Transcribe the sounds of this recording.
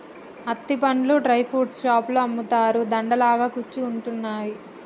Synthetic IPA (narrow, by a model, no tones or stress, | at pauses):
ɐt̪ːipɐɳluɖɾɐjpʰuʈsʃaːploɐmːut̪aːɾud̪ɐɳɖɐlaːɡaːkut͡ʃːiuɳʈunːaːji